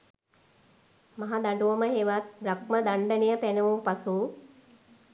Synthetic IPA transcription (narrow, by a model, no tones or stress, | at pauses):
maɦad̪aɳɖuʋəməɦeʋat̪̚bɾak̚məd̪aɳɖənijəpænɐʋupasuː